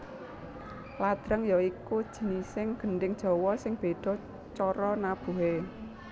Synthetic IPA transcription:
lad̪̥ɾəŋjɔikud̥ʒ̥ə̤nisɪŋɡ̥ənɖɪŋd̥ʒ̥ɔ̤wɔsɪŋb̥e̤ɖ̪̥ɔ̤ | t͡ʃɔɾɔnab̥ṳɦe

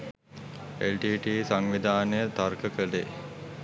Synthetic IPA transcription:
elʈiʈiːsaŋʋid̪aːnəjət̪arkəkəle

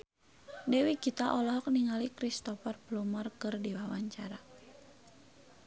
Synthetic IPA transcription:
dɛwikit̪aʔɔlɔɦɔk̚niŋalikɾist̪ɔfarblumɔrkɨrdiwawaɲt͡ʃaɾa

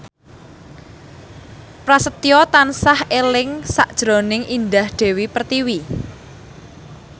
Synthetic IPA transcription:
pɾasət̪ijɔt̪ansahʔelɪŋsaʔd̥ʒ̥ɾonɪŋʔind̪ahɖ̪̥e̤wipərt̪iwi

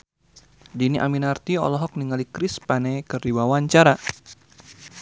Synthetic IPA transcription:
diniʔa̰minart̪iɔ̰lɔɦɔk̚niŋalikɾispanekɨriwawaɲt͡ʃaɾa

